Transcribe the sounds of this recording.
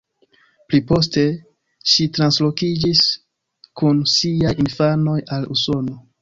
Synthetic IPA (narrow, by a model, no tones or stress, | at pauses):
plipo̞ste̞ | ʃitɾanslo̞kid͡ʒis | kunsiajinfano̞jalṵso̞no̞